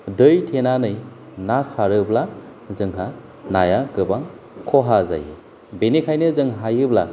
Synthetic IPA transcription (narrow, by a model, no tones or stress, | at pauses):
dɯjtʰenanɯj | nasaɾɯbla | zɯŋɦa | najaɡɯbaŋ | kʰɔɦaza̰jɯ | benikʰajnɯzɯŋɦajɯbla̰